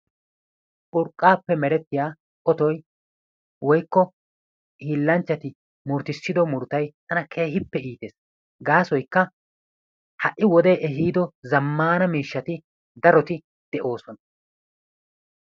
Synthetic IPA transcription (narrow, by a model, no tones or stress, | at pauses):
ʔʊɾkʼːaːpːɛmɛɾɛt̪ːɪjaː | ʔɔt̪ɔj | wɔjkːɔ | iːlːɐnt͡ʃːɐt̪ɪ | mʊɾt̪ɪsːɪd̪ɔmʊɾt̪ɐjt̪ɐnɐkʰe̞ːɦɪpːɛiːt̪eːs | ɡaːsɔjkːɐ | hɐʔːɪwɔd̪eːʔɛɦiːd̪ɔzɐmːaːnɐmiːʃːɐt̪ɪ | d̪ɐɾɔt̪ɪ | d̪̥ɛʔo̞ːsɔnɐ